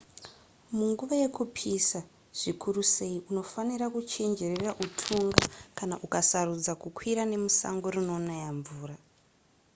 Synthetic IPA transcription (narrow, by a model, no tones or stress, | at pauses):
muŋɡuʋaje̞kupʰisa | ʐ̥ikʰuruse̞iuno̞fanirakut͡ʃe̞nd͡ʒe̞reraʔutʰuŋɡakanaʔukasarud͡zakukwiɾane̞musa̰ŋɡo̞runo̞najaɱvuːra